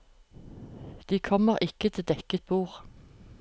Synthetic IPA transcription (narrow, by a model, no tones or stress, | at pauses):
d̪̥iːkʰɔməʁʔɪkət̪ʰɪd̪ɛkət̪̚buːʁ